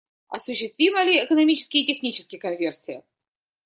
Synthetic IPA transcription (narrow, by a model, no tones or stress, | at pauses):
ɐ̰sʊɕːɪst̪vʲiməlʲɪːkənɐmʲit͡ɕɪ̥skʲɪjɪtʲɪxnʲit͡ɕɪskʲɪjəkɐnvʲersʲɪjə̰